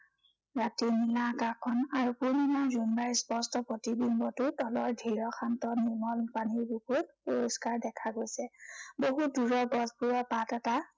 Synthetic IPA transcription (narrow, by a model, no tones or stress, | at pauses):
ɹatinilakakʰɔnaɹupuɹnimazunbaispɔstɔpɹotibimbɔtʊtɔlɔɹdʱiɹɔxʰantɔniɹmɔlpaniɹbokut̚poɹoskaɹdɛkʰaɡojsɛboɦut̚duɹɔɡɔzpuɹɔpatɛta